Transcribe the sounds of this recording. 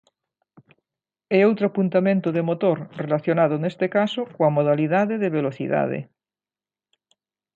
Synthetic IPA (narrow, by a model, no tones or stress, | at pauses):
eowt̪ɾoapunt̪amẽnt̪oðemot̪oɾrelaθjonað̞onest̪ekasokoamoð̞aliðaðeðeβeloθḭða̰ð̞ḛ